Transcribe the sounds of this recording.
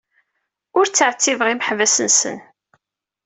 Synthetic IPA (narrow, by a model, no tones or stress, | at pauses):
ʊɾt͡sːəʕt͡sːivʁiməħvæsənsə̰n